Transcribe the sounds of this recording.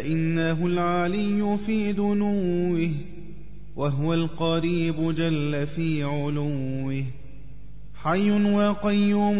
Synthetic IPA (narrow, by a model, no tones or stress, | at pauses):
aʔɪnːaɦʊlʕalɪjːʊfiːd̪ʊnuːɪh | waɦʊwalqɑɾiːbʊd͡ʒalːafiːʕʊlʊɪh | ħajːʊnwɑqɑjːuːm